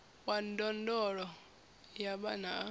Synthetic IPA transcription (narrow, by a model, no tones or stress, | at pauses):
wan̩dɔndɔɺɔ | jaɓana